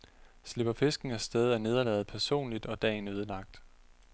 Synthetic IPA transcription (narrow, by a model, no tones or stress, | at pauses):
sle̝b̥ɐfe̝sɡ̥n̩æsd̥eð̞ˠæɐne̝ð̞ˠɐlɛ̰ːð̩ˠpʰæɐso̝̰ːnlid̥ɒ̽d̥ɛ̰ːnøːðˠəlɑ̈ɡ̥̚d̥